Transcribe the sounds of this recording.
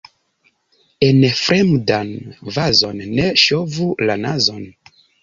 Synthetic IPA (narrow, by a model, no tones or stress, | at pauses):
enfɾemdanvazo̞nːe̞ʃovulanazo̞n